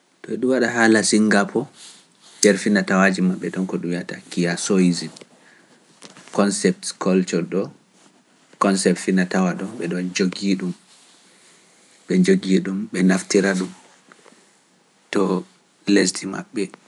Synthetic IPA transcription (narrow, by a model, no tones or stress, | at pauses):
tɔɛɗuwaɗaɦalasiŋɡapʰɔ | dɛɾfinatawad͡ʒimaɓːɛɗɔnkɔɗumjatakijasoizin | kɔnsɛp̚tkɔlt͡ʃɔɗɔ | kɔnsɛptfinatawaɗɔmɓɛɗɔnd͡ʒoɡiɗum | ɓɛd͡ʒoɡiɗumɓɛnaftiɾaɗum | tɔ | lestima̰ɓːɛ